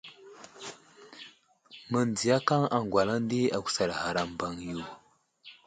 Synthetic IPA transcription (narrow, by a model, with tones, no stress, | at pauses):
mə˨nd͡zi˨ja˦ka˦ŋa˨ŋ˨ɡwa˨la˦n˦di˦a˨kʷu̥˨sa˨ɾha˨ɾa˨m˨ba˨ŋju˨